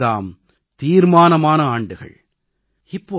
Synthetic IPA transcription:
ða̰ːm | t̪iːɾmaːnɐmaːnɐaːɳɖɯɣɐ̰ɭ | ɪpːoː

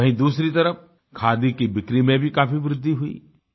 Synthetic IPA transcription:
ɐɦĩd̪uːsɾit̪ɐɾəf | kʰaːd̪ikibɪkɾimẽbʱikaːfiʋɾɪd̪ʱːiɦʊḭː

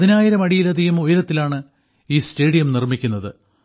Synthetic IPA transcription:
ɐðinaːjiɾɐmɐɽijilɐd̪ʱiɣɐmujɐɾɐt̪ːilaːɳɨ | iːste̞ːɽijɐmnirmikʲːunːɐðɨ

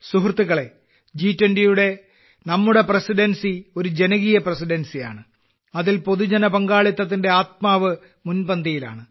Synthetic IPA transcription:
suɦrt̪ːuɣɐɭe̞ | d͡ʑiːtːɐndijuɽe̞ | nɐmːuɽe̞prɐsiɖɐnsio̞ɾud͡ʑe̞nɐɣijɐprɐsiɖensija̰ːɳɨ | ɐðilpo̞ðud͡ʑɐnɐbɐŋɡaːɭit̪ːɐt̪̬ːinde̞aːt̪̚maːʋɨ | munbɐnd̪ɐjila̰ːɳɨ

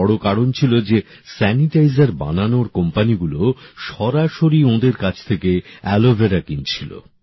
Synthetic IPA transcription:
ɔɽokaɽont͡ɕʰilod͡ʑe | sɛniʈajzaɾba̰nanoɾkɔmpaniɡuloʃɔɾaʃoɾiõd̪eɾkat͡ɕʰt̪ʰekeɛlovʱeɾakint͡ɕʰilo̰

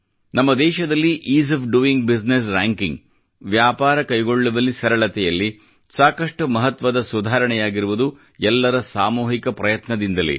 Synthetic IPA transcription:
nɐmːɐd̪ɛːʃɐd̪ɐlːiʔiːs̬ɐfɖuiŋɡbisnes̬ɾaːŋkiŋɡ | ʋjaːpaːɾɐkɐjɡo̞ɭːuʋɐlːisɐɾɐɭɐt̪ɛjɐlːi | saːkɐʂʈumɐɦɐt̪ʋɐd̪ɐsud̪ʱaːɾɐɳɛjaːɡiɾuʋud̪u | ɛlːɐɾɐsaːmuːɦikɐpɾɐjɐt̪nɐd̪ind̪ɐlḭ

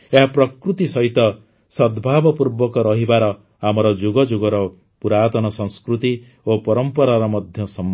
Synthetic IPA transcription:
eɦapɾɔkɾut̪isɔɦit̪ɔ | sɔd̪bʱabɔpuɾbɔkɔɾɔɦibaɾɔ | amɔɾɔd͡ʒuɡɔd͡ʒuɡɔɾɔ | puɾat̪ɔnɔsɔŋskɾut̪i | opɔɾɔmpɔɾaɾɔmɔd̪ʱjɔsɔm

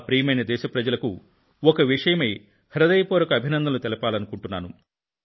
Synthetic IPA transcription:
pɾiːmɐjnɐd̪ɛːʃɐpɾɐd͡ʒɐlɐku | ɔkɐʋiʂɐjɐmeː | hɐɾɐd̪ɐjpoːɾɐkɐːbʱinɐnd̪ɐlut̪ɛlɐpaːlɐnukuɳʈunːaːnu

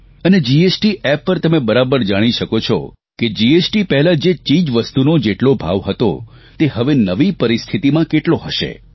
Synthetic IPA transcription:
əned͡ʒiesʈiʔɛpːəɾt̪əmebəɾabəɾd͡ʒaɽ̃iʃəkot͡ʃʰɔ̰ | ked͡ʒiesʈipɛɦɛlad͡ʒet͡ʃid͡ʒʋəst̪unod͡ʒeʈlobʱa̰ʋɦət̪o̰ | t̪eɦəʋenəʋipəɾist̪ʰit̪imãkeʈloɦəʃḛ

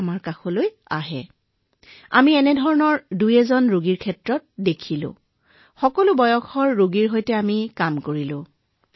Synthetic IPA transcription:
maɹkaxɔloj | a̰ɦɛ̰ | a̰miɛnɛdʱɔɹɔnɔɹdujɛzɔnɹoɡiɹkʰɛtɹɔt̚dekʰilʊ̰̃ | xɔkɔlʊbɔjɔkʰɔɹːoɡiɹɦojtɛamikamkoɹilʊ̃

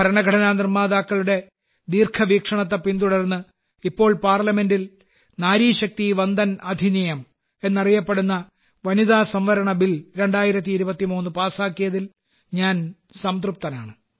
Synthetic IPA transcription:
ɐɾɐɳɐɡʱɐɽɐnaːnirmːaːðaːkːɐɭuɽe̞ | d̪iːrkʰɐʋiːkʂɐɳɐt̪ːɐpint̪uɽɐrnːɨ | ipːo̞ːɭpaːrlɐme̞ndil | naːɾiːɕɐk̚t̪iʋɐnd̪ɐnɐd̪ʱinijɐm | e̞nːɐrijɐpːe̞ɽunːɐ | ʋɐniðaːsɐmʋɐɾɐɳɐbilɾe̞ɳɖaːjiɾɐt̪̬ːiːɾubɐt̪ːimuːnːɨpaːsaːkːijɐðil | ɲaːn | sɐmt̪rup̚t̪ɐnaːɳɨ

